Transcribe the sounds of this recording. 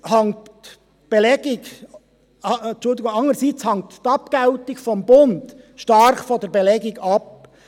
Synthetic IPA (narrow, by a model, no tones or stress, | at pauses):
hɑŋt | b̥elɛɡ̥ɪɡ | ɑt͡ʃʊldɪɡʊŋɑŋəsit͡shɑŋt̪tɑpkaʊtɪkfɔmbʊnd | ʃtɑɾχfɔndɛɾbelɛɡɪɡɑp̚